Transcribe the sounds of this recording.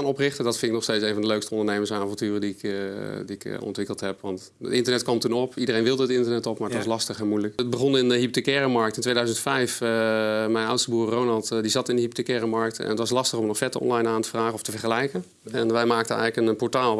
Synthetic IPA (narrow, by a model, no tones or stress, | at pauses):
anɔprɪxtədɑtfɪndɪknɔxsteːtsejnvɑndəløɥkstəɔ̃ndəɹnejməsanaːvɔ̃ntyːrədiɪkdiɪkɔ̰ntʋɪkəlˠtɦɛpʋɑnt | ə̰tɪntəɹnɛtkʋɑmtunɔpidərejnʋɪlˠdəətɪntəɹnɛtɔpmaːɹətʋɑslɑstəχɛnmujləkət̚bəχɔnɪnəɦip̚tekɛːramɑɹktɪntʋejdœɥzəntfɛjf | mɛjnawtstəbuːrːownɑlˠtdizɑtɪndəhip̚tekɛːramɑɹk̚tɛ̰nətʋɑslɑstəχɔmnɔfɛtəɔ̰nlajnaːntəvraːχəɔftəvɛɹχəlɛjkə | ɛnʋɛjmaːk̚tənɛ̰jɣləkənpɔɹtaːlˠ